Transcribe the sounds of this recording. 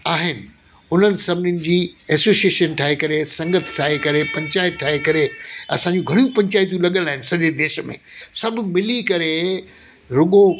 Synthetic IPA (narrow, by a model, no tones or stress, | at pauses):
aːɦɪnɪ̆ | ʊn̤ənɪ̆sɐbʱɪnɪnɪ̆d͡ʑiːɛːsoːsieːʃənʈʰaːɦekɐɾesɐ̃ŋɡət̪ʰʈʰaːɦekɐɾepɐ̃ɲt͡ɕaːɪt̪̚ʈʰaːɦekɐɾeɐ̰sãɲd͡ʑũɡʱɐɽijũpɐ̃ɲt͡ɕaːɪt̪̬jũlɐɠə̃nlaːɦɪnɪsɐʄed̪eːʃəmḛ̃sɐb̆ʱmɪlikɐɾe | ɾʊɠo